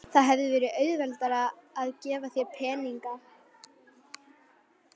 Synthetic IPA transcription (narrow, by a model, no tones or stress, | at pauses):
θaðɦɛvðɪvɛːɾɪʔœːɥðvɛlt̪aɾaːðcɛːvaθjɛpʰɛːniŋka